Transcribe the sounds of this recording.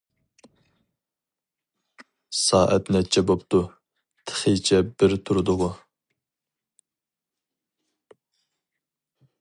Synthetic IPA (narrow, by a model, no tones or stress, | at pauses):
sɑːʔɛt̪nɛt͡ʃʰɛbopt̪u | t̪ʰə̥χəjt͡ʃʰɛbɪɾt̪ʰuɾɨd̪ʊʁʊ